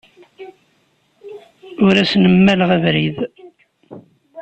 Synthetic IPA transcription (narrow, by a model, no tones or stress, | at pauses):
ʊɾæsnəmːæləʁævɾið